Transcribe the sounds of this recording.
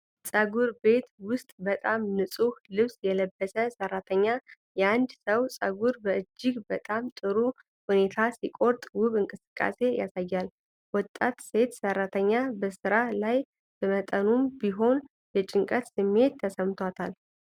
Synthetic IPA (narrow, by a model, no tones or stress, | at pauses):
sʼəɡuɾbe̞t̪wʊst̪ʼbət̪ʼamnɨsʼuhlɨβsjɛləbːəsəsərːat̪ʰəɲːa | jɛand̪səwsʼəɡuɾbəɨd͡ʒːɪɡbət̪ʼamt̪ʼɨɾu | hune̞t̪ʰasikʼo̞ɾt̪ʼwʊβɨŋkʼɨsɨ̥kʼːa̰se̞ja̰sajːal | wɔt̪ʼat̪se̞t̪sərːat̪ʰəɲːabəsɨɾalaj | b̥əmət̪ʼənumbiɦo̞n | jɛt͡ʃʼɪŋkʼət̪sɨmːe̞t̪ʰːəsəmt̪ʰwat̪ʰal